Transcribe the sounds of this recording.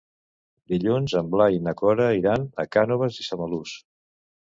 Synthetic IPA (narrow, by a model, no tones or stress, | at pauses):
d̪iʎunzəmblainəkɔɾəiɾanə̰kanuβəzisəməlus